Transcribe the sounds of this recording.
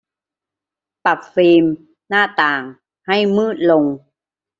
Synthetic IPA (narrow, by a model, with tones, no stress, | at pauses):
pa˨˩p̚fiː˧m | naː˥˩t̪aː˨˩ŋ | ha˥˩jmɯː˥˩t̪̚lo˧ŋ